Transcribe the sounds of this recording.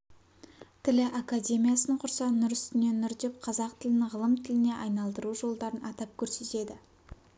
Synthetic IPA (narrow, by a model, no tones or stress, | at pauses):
t̪ʰɪlɪʔakadʲe̞mʲijasəɴqʰʊɾsɑnʊɾʏst̪ɪne̞nːʏɾd̪e̞p̚qʰɑzɑqt̪ʰɪlɪnɪʁəlˠəmt̪ʰɪlɪne̞ʔɑjnɑlˠd̪əɾuʒo̞lˠd̪ɑɾənɑt̪ɑp̚kʲʰɵɾse̞t̪e̞d̪ɪ